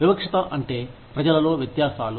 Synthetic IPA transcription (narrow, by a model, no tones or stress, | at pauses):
ʋibɐkʂɐt̪ɐʔɐɳʈe̞ːpɾɐd͡ʒɐlɐlo̞ːʋjɐt̪jaːsaːlu